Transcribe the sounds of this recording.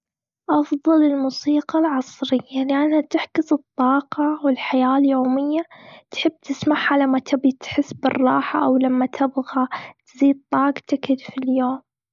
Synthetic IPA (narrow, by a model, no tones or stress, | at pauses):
ʔɑfðˤɑlɪlmuːsiːqɑlʕɑsˤɾɪjːalɪʔanhat̪ɪħkʊsɨt̪ˤːɑːqɑwɪlħajaːljoːmɪjːat̪ħɪbːt̪ɪsmaħʕalamːat̪ʰɪbit̪ħɪsːbɨ̰rˤːɑːħaʔawlamːat̪ʰɪbɣat̪ziːd̪̚t̪ˤːɑːɡt̪ɪkɪd̪filjoːm